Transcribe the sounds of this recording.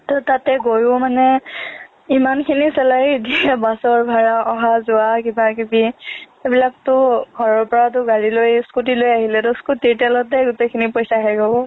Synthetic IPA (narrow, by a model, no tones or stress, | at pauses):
tɔtatɛɡojʊmanɛ | imankʰinisɛlajdiɛbasɔɹbʱaɹaɔɦazʊakibak̬ibi | ebilak̚tʊɡʱɔɹɔɹpɔɹat̬ʊɡaɹilojskut̬ilojaɦilɛtʊskutitɛlɔtɛɡʊtekʰinipɔjsaɦɛɡɔbɔ